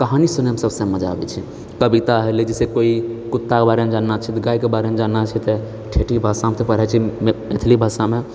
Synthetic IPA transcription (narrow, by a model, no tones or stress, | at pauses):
kəɦanisunemsəbsẽməd͡ʒa̰bɛ̰t͡ʃʰi | kəbit̪aɦeled͡ʒesekoikut̪ːakebaɾemed͡ʒanːat͡ʃʰit̪ɡaikebaɾemed͡ʒanːat͡ʃʰɛt̪e | ʈʰeʈibʱasamet̪ʰepəɽɦɛt͡ʃʰimet̪ʰlibʱasame